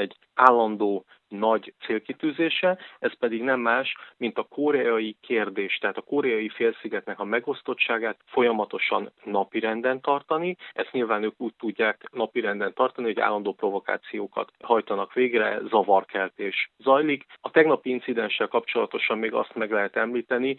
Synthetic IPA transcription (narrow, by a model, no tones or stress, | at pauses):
ɛɟː | aːlːɒnd̪oː | nɒɟt̪seːlkit̪yːzeːʃɛɛspɛd̪iɡnɛmːaːʃmint̪ɒkʰoɾɛɒjikʰeːrd̪eːʃt̪ɛɦaːt̪ɒkoɾɛɒjifeːlsiɡɛt̪nɛkɒmɛɡo̞st̪o̞tt͡ʃːaːɡaːt̪fo̞jɒmɒt̪o̞ʃɒ̰nːɒpiɾɛnd̪ɛnt̪ɒrt̪ɒniɛst̪ɲilvaːnøːkuːc̚t̪uɟːaːknɒpiɾɛnd̪ɛnt̪ɒrt̪ɒnihɦo̞ɟa̰ːlːɒnd̪oːpro̞vo̞ka̰ːt̪sijoːkɒ̰t̪hɒjt̪ɒnɒkʋeːɡrɛ̰zɒvɒrkɛlt̪eːʃzɒjlikɒt̪ɛɡnɒpiint̪sid̪ɛnʃːɛlkɒpt͡ʃo̞lɒt̪o̞ʃɒmːeːɡɒ̰st̪mɛɡlɛɦɛt̪ɛmliːt̪ɛni